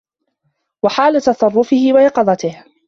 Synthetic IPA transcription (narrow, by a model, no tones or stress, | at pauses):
waħaːlat̪ɑsˤɑrˤːʊfɪhɪwaʔɑqɑd̪ˤɑt̪ɪh